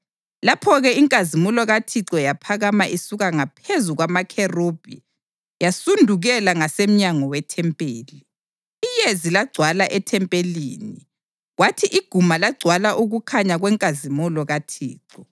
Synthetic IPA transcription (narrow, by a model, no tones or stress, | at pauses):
lapʰɔɣɛiŋkʼazimulɔɣatʰiǁɔjapʰaɣamaʔisuɣaŋapʰezuɣwamakʰɛrob̥ʱḭ | jasundʱuɣɛlaŋasem̩ɲaŋɔwɛtʰɛmpʼeːliː | jezilaɡ͡ǀʱwalaʔɛtʰɛmpʼeliːni | ɣwatʰiʔiɡ̥ʱumalaɡ͡ǀʱwalaʔuɣukʰaɲaɣwɛŋkʼazimulɔɣatʰḭːǁɔ